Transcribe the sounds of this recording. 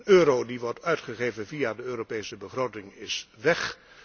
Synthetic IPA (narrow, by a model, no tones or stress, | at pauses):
nøːɾowdiʋɔɹtœɥtχəχejvənvijadəøːropejsəbəχrowtɪŋɪsʋɛχ